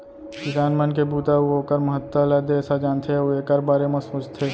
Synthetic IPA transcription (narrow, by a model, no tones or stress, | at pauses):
kɪɡaːnmənk̬ebuːt̪aoɦoːkəɾməɦət̪ːəlad̪ɛːsad͡ʒaːnt̪ʰeɛoekɐɾbaːɾemãsoːt͡ʃt̪ʰeː